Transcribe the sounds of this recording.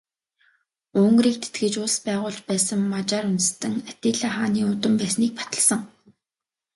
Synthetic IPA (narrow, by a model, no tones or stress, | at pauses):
ɵŋɡriːk̚t̪ʰe̥t̪̚ɡɘ̆t͡ɕʊɮspæːʁʊːɮt͡ɕpæːsə̆ŋmat͡ɕaːɾʊnt̪̆st̪ɘ̆ŋat̪ʲeːɮaːχaːniːʊt̪ə̆mpæːsniːk̚pḁt̪ə̆ɮsə̆ŋ